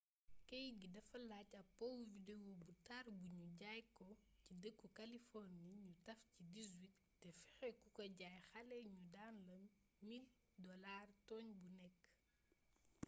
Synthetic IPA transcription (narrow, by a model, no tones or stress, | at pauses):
kɛjɡidɐfɐlaːcɐpːɔwuvidewobutarbuɲuɟajkɔcidəkːukɐlifɔrniɲutɐfcidizwitːɛfɛxɛkukɐɟaːjxɐlɛɲudanlɐmː | il | dɔlaːrtɔːɲbunɛkː